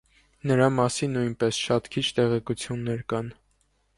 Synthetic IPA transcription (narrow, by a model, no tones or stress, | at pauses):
nəɾɑmɑsinːujnpɛsʃɑt̪kʰit͡ʃʰt̪ɛʁɛkut͡sʰjunːɛɾkɑn